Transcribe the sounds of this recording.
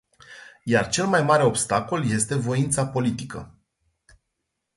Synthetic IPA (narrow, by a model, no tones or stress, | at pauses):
jart͡ʃe̞lmajmaɾe̞o̞bst̪ako̞lje̞st̪e̞vo̞int̪sapo̞lit̪ikə̰